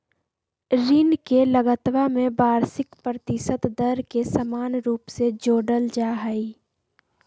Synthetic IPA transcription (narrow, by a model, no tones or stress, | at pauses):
ɾinkeləɡət̪ʋamẽbaːɾsɪkpɾət̪ɪsət̪d̪əɾkesəmaːnɾuːpsed͡ʒoːɖəld͡ʒaːɦəiː